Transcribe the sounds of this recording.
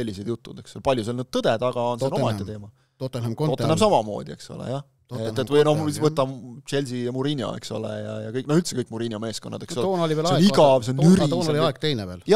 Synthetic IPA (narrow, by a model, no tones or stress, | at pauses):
se̞lʲːised̪̥jut̪ˑːud̪e̞ksolpɑlʲjuselnyːd̪̚t̪ɤd̪̥ed̪̥ɑɡ̥ɑonseomɑeˑet̪e̞ːmɑ | ot̪ːmot̪ːenemsɑmɑmo̞̰ːd̪̥ie̞̰kso̰lḛjɑ | et̪ːevɤnohisvɤt̪ːˑɑt͡ʃe̞lʲsijɑmuɾinʲjɑ̰ḛksolḛjɑ̰jɑ̰kɤjknoylt̪sekɤjkːˑmuɾinʲjɑme̞ːskonːɑ̰d̪̥e̞kssolːnolʲiʋelseiɡɑvseonyɾːnoliɑeɡ̥t̪ejneveːljɑ